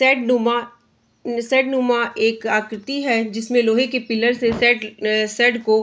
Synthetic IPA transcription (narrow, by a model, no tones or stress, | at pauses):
sɛːɖnuma | sɛːɖnumaʔeːkaːkɾɪt̪iɦɛd͡ʒɪsmẽloːɦekepɪlːəɾsesɛɖsɛːɖko